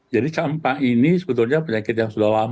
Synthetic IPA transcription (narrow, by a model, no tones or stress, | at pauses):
d͡ʒadit͡ʃampainisəbət̪ʊlɲapəɲakɪt̪̚jaŋsudahlam